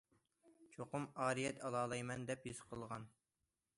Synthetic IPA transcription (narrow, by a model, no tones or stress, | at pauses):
t͡ʃʰoqʊmɑːɾijɛt̪ʰɑlˠɑːlˠɑjmɛnd̪ɛpjizqʰəlˠʁɑn